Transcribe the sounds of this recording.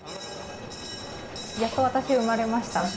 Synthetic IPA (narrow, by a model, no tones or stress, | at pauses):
jat̪oβat̪aɕiɯ̟maɾe̞maɕi̥t̪a